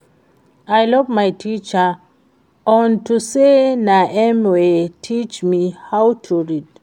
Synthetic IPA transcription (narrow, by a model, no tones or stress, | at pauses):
ajlʌvmajtʰit͡ʃə | ɔ̃ntusenaʔɛmwetʰit͡ʃmihawtʰuɹid